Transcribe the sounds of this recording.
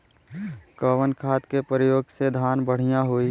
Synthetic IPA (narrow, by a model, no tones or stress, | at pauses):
kəːʋənkʰaːt̪kepəɾɪjoːɡsed̪ʱaːnbəɽ̤ijãɦui